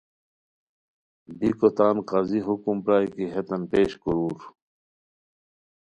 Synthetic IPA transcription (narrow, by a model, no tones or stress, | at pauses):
bikot̪aːnqaːziɦukumpɾaːikiɦet̪ɐnpeːɕkuɾuːɾ